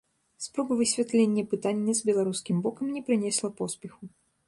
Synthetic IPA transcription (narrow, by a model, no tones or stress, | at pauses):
spɾɔbɐvɨsʲvʲat̪lʲenʲːɐpɨt̪anʲːɐzbʲɛlˠaɾuskʲimbɔkɐmnʲɛpɾɨnʲɛsʲlˠɐpɔspʲɛxu